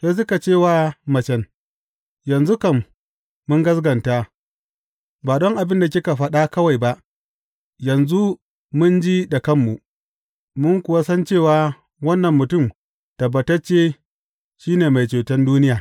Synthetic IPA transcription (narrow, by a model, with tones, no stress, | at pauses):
je˦s̬ʊ˦ka˨t͡ʃeː˦˨waː˦mɐ˨t͡ʃɛ˦n | jɐ˨nzu˦kɐ˨mː | ʊ˦ŋɡɐ˦sɡɐ˨nta˦ | baː˨dɔ˦ŋʔa˨bɪ˦nda˨kʲɪ˦ka˨ɸɐ˦ɗa˦kɐ˦wa˨jba˦ʔ | jɐ˨nzu˦ | mʊ˦nd͡ʒi˦da˨kɐ˦mːu˨ʔ | mʊ˦ŋkʷʊ˨wa˦sɐ˦nt͡ʃeː˦˨waː˨ | wɐ˦nːɐ˨mːʊ˨tʊ˦˨m | tɐ˨bːɐ˨tɐ˦t͡ʃeː˦ | ʃiː˦neː˨ma˨jt͡ʃeː˨tɛ˦nduː˦nɪ˦jaː˨